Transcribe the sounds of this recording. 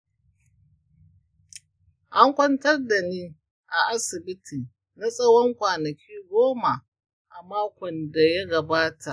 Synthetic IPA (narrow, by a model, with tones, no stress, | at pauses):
ʔa˦ŋkʷɔ˦ntɐ˦rda˨niː˦ | ʔa˨ʔa˦sɪ˨bɪ˦tʰiː˨ | na˦sʼɐ˦wɔ˦ŋkʷaː˨nɐ˨kʲʰiː˦ɡʷoː˦ma˨ | ʔa˨maː˦kʷɔ˨nda˨ja˦ɡɐ˨baː˦ta˨ʔ